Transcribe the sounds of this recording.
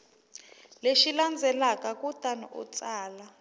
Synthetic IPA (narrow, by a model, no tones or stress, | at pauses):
leʃiland͡zʱɛlakʼakʼutʼanɔʔṵt͡sʼaːla